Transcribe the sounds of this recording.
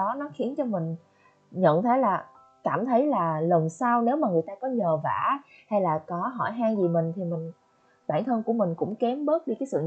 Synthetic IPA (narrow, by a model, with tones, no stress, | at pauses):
ɔ˨˦nɔ˨˦xi˨˦ənt͡ɕɔ˧mï˨˩ŋ̟ | ɲə̰˧˨nt̪ʰə˨˦jlaː˨˩ | kaː˧˩mt̪ʰə˨˦jlaː˨˩lə˨˩wŋ͡msaː˧wne˨˦wmaː˨˩ŋɨ˨˩əjt̪aː˧kɔ˨˦ɲəː˨˩va̰ː˧˩˨ | ha˧jlaː˨˩kɔ˨˦ɦɔ̰˧˩jɦaː˧jzi˨˩mï˨˩ŋ̟t̪ʰi˨˩mï˨˩ŋ̟ | ɓaː˧˩nt̪ʰə˧nku˧˩əmï˨˩ŋ̟kʊ̰˧˥ŋ͡mkɛ˨˦mɓə˦˥t̚ɗi˧˩kaː˨˦jsɨ̰˧˨